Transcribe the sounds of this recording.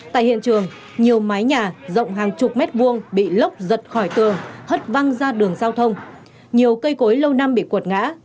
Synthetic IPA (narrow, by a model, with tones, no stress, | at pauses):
t̪a̰ː˧˨jhḭ˧˨ənt͡ɕɨ˨˩əŋ | ɲi˨˩əwma˨˦jɲaː˨˩zə̰˧˨wŋ͡mɦaː˨˩ŋt͡ɕʊ˨˩k͡p̚mɛ˦˥t̚ɓu˧˩əŋɓḭ˧˨lə˦˥wk͡p̚zə˨˩t̚xɔ˧˩jt̪ɨ˨˩əŋhə˦˥t̚va˧ŋzaː˧ɗɨ˨˩əŋzaː˧wt̪ʰə˧wŋ͡m | ɲi˨˩əwkə˧jko˨˦jlə˧wna˧mɓḭ˧˨kwə˨˩t̚ŋa̰ː˧˥